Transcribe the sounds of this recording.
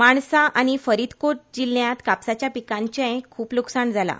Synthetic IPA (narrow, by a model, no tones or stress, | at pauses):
maɳsaʔaɽ̃ifəɾit̪koʈ̚d͡ʑiljãt̪kapsat͡ɕjapikãɲt͡ɕaẽkʰuːpluksaɳd͡zʱala̰